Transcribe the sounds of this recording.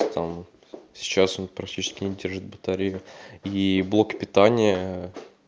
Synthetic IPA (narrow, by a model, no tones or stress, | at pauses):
t̪am | sʲɪ̥t͡ɕasonpɾɐktʲit͡ɕɪ̥skʲɪnʲɪdʲe̞rʐɨt̪̚bət̪aɾʲejʊiblˠo̞kpʲɪt̪anʲɪjə